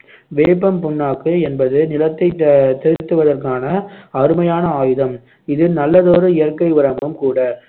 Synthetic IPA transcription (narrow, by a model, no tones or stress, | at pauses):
ʋeːp̬ːɐmpʊnːaːkːɯɛnbɐðɯnɪlɐt̪ːɐɪt̪ːɛɾɪt̪ːɯʋɐðɐrkaːnɐɐɾɯmɐjaːnɐaːjɯðɐm | ɪðɯnɐlːɐðoːɾɯɪjɐrkɐɪʋɪɾɐmbɐmkuːɽɐ